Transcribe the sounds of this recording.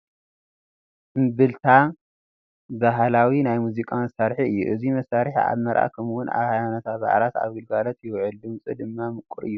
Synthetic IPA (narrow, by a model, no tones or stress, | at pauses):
ʔɨmbɨlt̪ʰa | baɦlawinajmuzikʼamɐsaɾħiɨjːṵʔɨzimɐsaɾħia̰βmɐɾʔa̰ʔkʰɐmwʊnʔa̰βhajanot̪ʰaba̰ʕlat̪a̰βɡɨlɡalɐt̪jɪwʕɨld̪ɨmt͡sʼɨd̪ɨmːamɨkʷʼːɨɾɨ̰jːu